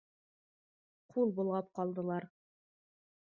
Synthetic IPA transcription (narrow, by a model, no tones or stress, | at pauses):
qʰulˠbulˠʁɑp̚qɒlˠd̪ɤ̆lˠɑɾ